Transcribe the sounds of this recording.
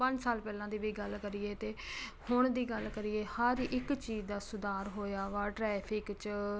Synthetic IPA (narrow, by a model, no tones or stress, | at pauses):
pə̃ɲd͡ʒsaːlpɛːlãːd̪iːʋiːɡəlkəɾiːeːt̪eːhʊɳd̪iːɡəlkəɾieːhəɾʔɪkt͡ʃiːzd̪aːsʊd̪aːɾɦoːjaːʋaːʈɾɛːpʰɪkt͡ʃ